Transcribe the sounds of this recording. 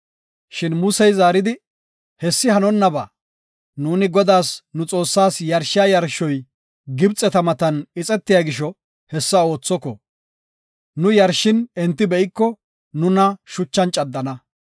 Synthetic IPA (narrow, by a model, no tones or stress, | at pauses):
ʃɪnmʊsɛjzaːɾɪd̪ɪ | hɛsːɪhɐnɔnːɐbaː | nuːnɪɡɔd̪aːsnʊt͡sʼo̞ːsːaːsjɐɾʃɪjaːjɐɾʃːɔj | ɡɪbt͡sʼːɛt̪ɐmɐt̪ɐnɪt͡sʼɛt̪ːɪjaːɡɪʃɔ | hɛsːɐo̞ːt͡sːɔkɔ̰ | nʊjɐɾʃːɪnɛnt̪ːɪbɛʔɪkːɔ | nʊnɐʃʊt͡ʃːɐnt͡ʃʼɐd̪ːɐnɐ